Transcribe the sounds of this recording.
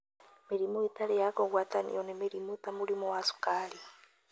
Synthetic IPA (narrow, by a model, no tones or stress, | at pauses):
meɾimoetaɾejakɔɣwatanḭɔnemeɾimotamuɾimowasu̥kaːɾi